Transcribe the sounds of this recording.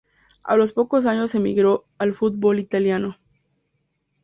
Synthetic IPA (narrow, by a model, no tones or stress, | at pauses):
a̰lo̞spo̞ko̞s̬aɲo̞sːe̞mḭɣɾo | alfut̪̚bo̞lit̪aljano̞